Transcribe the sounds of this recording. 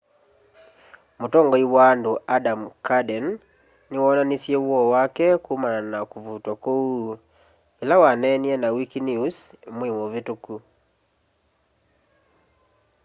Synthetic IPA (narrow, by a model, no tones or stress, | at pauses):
motɔŋɡɔiwaːndoadamkadɛnː | ewaːnanisjewɔwakɛkumananakuvutwɔkou | elawanɛniɛnawikinjusemwewovetuku